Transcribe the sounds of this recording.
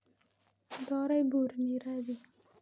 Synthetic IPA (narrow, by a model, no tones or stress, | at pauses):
d̪ɑɾajbuɾniɾawi